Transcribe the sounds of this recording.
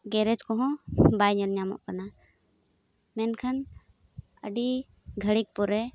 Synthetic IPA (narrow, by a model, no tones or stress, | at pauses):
ɡɛɾɛd͡ʒkɔɦɔ̃bajɲəlɲamɔ̰ʔkana | mɛnkʰən | ə̰ɖi | ɡʱəɽik̚pɔɾɛ